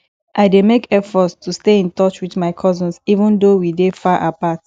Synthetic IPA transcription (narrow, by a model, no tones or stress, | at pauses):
ʔaɪdemekɛfɔtstusteĩntɔt͡ʃwiðmaɪkʰɔzə̃nsivə̃ndowidefaʔapat